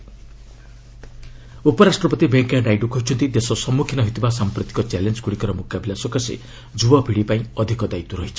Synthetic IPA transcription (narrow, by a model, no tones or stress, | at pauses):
upɔɾasʈrɔpɔt̪ibeŋkaɖajɖukɔɦit͡ʃʰɔnt̪id̪esɔsɔmukʰinɔɦit̪ʰibasampɾɔt̪i̥kɔt͡ʃelend͡ʒɡuɽikɔɾɔmukabʱilasɔkasḛ | d͡ʒubɔbʱiɽipaĩɔd̪ʱikɔd̪ait̪uɾɔɦit͡ʃʰi̥